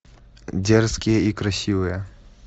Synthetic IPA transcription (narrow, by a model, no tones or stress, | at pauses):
dʲerskʲɪjəikɾɐsʲiʋɨjə